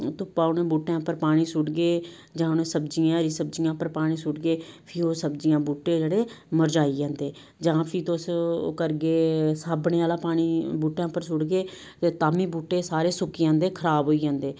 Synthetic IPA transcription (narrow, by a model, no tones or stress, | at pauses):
t̪ʊpaːʊnẽːbuːʈãːpəɾpaːɽ̃iːsʊɽɡeː | d͡ʒãːʊnẽːsəbd͡ʒijãːɾiːsəb̚d͡ʒɪjãːpəɾpaːɽ̃iːsʊɖɡeːpʰiːoːsəbd͡ʒɪjãːbuːʈːeːd͡ʒeːɽeːməɾd͡ʒaːiːd͡ʒãːnd̪eː | d͡ʒãːpʰiːt̪oːskəɾɡeːsaːbɳeːaːlaːpaːɽ̃iːbuːʈãːpəɾsʊɽɡeː | t̪eːt̪aːmiːbuːʈːeːsaːɾeːsʊkiãːnd̪eːkʰəɾaːbɦoːiːd͡ʒãːnd̪eː